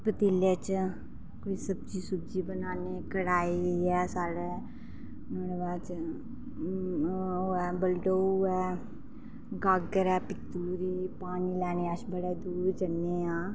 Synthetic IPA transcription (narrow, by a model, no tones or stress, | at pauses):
pət̪ileːt͡ʃ | koisəb̚t͡ʃiːsʊb̚d͡ʒiːbənaːnekəɽaːiɛːsaːɽeː | noːɽebaːt͡ʃ | ɛːbəlɖoːuɛː | ɡaːɡəɾɛːpɪt̪ːuːɾiːpaːnilɛːneːaʃbəɽeːd̪uːɾd͡ʒənːeːãː